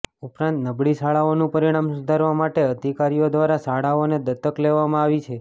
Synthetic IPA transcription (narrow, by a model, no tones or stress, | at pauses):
upɾãnt̪nəbɭisaɭaonũpəɾiɽ̃amsʊd̪ʱaɾʋamaʈeəd̪ʱikaɾijod̪ʋaɾasaɭaoned̪ət̪ːəkleʋamãaʋit͡ʃʰe